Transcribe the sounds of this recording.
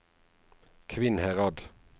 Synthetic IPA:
kʰʋɪnhæʁɑd̪

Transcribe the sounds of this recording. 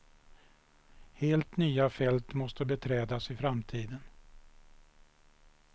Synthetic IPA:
heːlt̪nyːafɛlt̪mɔst̪əbɛt̪ʰɾɛːd̪asɪfɾamt̪ʰiːd̪ən

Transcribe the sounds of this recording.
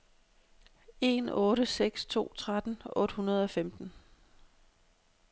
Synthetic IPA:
e̝ːnɔ̽ːɾəseɡ̥st͡sʰo̝̰ːt͡sʰʁad̥n̩ɔ̽ːd̥hunɐð̞ˠɒ̽femd̥n̩

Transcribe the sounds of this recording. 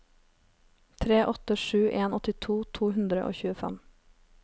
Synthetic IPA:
t̪ʰɾeːʔɔt̪əʃʉːʔeːnɔt̪ɪt̪ʰuːt̪ʰuːhʉnd̪ɾə̰ʔo̰ːçʉːəfæ̰m

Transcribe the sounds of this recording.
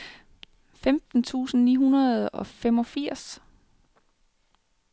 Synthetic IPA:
femd̥n̩t͡sʰṵːsn̩nḭːɦunɐð̩ˠɒ̽fem̰ɒ̽fiɐ̰s

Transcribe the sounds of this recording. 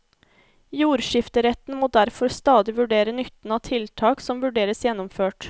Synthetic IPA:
juːɾʃɪft̪əɾɛt̪n̩moːd̪æɾfɔɾst̪ɑːd̪ɪʋʉɖeːɾənʏt̪n̩ɑːt̪ʰɪlt̪ʰɑːksɔmʋʉɖeːɾəsjɛnːɔmføːʈ

